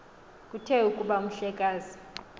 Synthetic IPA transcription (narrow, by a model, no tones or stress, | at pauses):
kʼutʰɛukʼuɓaum̩ɬɛkʼaːzi